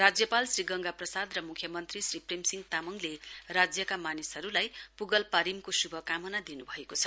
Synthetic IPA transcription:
rad͡zjʌpalsriɡʌŋɡaprʌsad̪rʌmukʰjʌmʌnt̪risripremsiŋɡt̪amʌŋlerad͡zjʌkamanisʌɾulajpuɡʌlpaɾimkosubʱʌkamʌnad̪inubʱʌekot͡sʰʌ̥

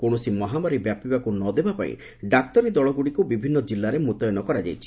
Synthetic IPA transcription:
koɽ̃ɔsimɔɦamaɾibjapibakunɔd̪ebapaḭ̃ | ɖakt̪ɔɾid̪ɔɭɔɡuɽikubibʱinːɔd͡ʒilːaɾemut̪ɔjɔnɔkɔɾad͡ʒa̰jt͡ʃʰi̥

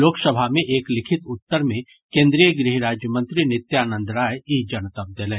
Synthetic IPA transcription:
oːksəbʱamẽʔeːklɪkʰɪt̪ʊt̪ːəɾmẽ | kẽːnd̪ɾijəɡɾiɦɾaːd͡ʒjəmə̃nt̪ɾinɪt̪jaːnə̃nd̪ɾaːjid͡ʒɐnt̪ɐp̚d̪elẽː

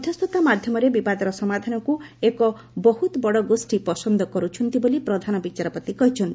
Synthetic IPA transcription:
ɔt̪ʰɔst̪ʰut̪amad̪ʱjɔmɔɾebibad̪ɔɾɔsɔmad̪ʱanɔkuekɔ | bɔɦut̪ɔbɔɽɔɡosʈipɔsɔnd̪ʱɔkɔɾut͡ʃʰɔnt̪ibolipɾɔd̪ʱanɔbit͡ʃaɾɔpɔt̪ikɔɦit͡ʃʰɔnt̪i̥

